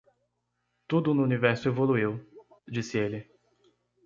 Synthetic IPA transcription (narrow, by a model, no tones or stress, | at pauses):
t̪ud̪ʊnʊunivɛɾsʊevoluiw | d͡ʒisɪelɪ